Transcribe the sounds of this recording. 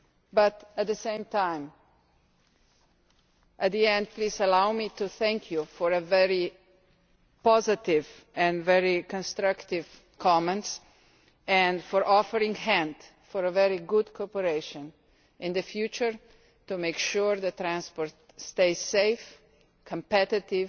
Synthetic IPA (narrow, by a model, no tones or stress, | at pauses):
bʌt̪æt̪̚ðəsẽɪ̃mt̪ʰãɪ̃m | ʔæt̪̚d̪iɛ̃nd̪̚pliːzəlawmituθɛ̃ŋkʰjufɔɹəvɛɹi | pɔzɪt̪ɪv | ɛ̃ndvɛɹikɔ̃nst̪ɾʌkt̪ɪv̥ | kʰɔmɛ̃nts | ɛ̃nfɔɹʔɔfəɾɪ̃ŋhæ̃nd | fɔɹəvɛɾiɡʊd̪kʰɔpəɾeɪʃɔ̃n | ʔɪ̃nd̪əfjut͡ʃəɹ | tumeɪkʃuɹðət̪ɾæ̃nspɔɾt | st̪eɪseɪf | kʰə̃mpɛtɪtɪv